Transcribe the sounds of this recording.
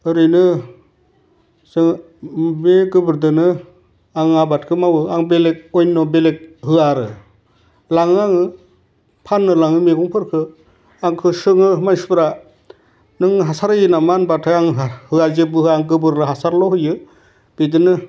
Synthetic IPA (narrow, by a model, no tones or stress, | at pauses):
ɯɾɯjnɯ | sɯŋ | meɡɯbɯɾdɯnɯ | aŋabat̚kʰɯmawɯaŋbelek̚ojnːɔbelek̚hɯaɾɯ | laŋɯaŋɯ | pʰanːɯlaŋɯmeɡuŋpʰɯɾkʰɯ | aŋkʰɯsɯŋɯmanspɾa | nɯŋɦasaɾɯjɯnamanbatʰajaŋɦhɯazebɯhɯaŋɡɯbɯɾlɯɦasaɾlɔɦɯjɯ | d̥ɯjdɯnɯ